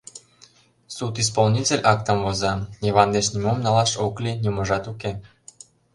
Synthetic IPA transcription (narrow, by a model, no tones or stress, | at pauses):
sut̪is̬polnʲitʲelʲʔɑk̚t̪ə̆mvozɑjeβɑnd̪eʃnʲimomnɑlɑʃoklʲinʲumə̆ʒɑt̪uke